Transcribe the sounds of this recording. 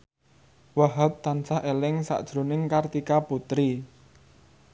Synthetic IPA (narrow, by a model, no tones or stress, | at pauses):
waɦap̚t̪ansaɦʔelɪŋsa̰ʔd̥ʒ̥ɾonɪŋkart̪ikaput̪ɾi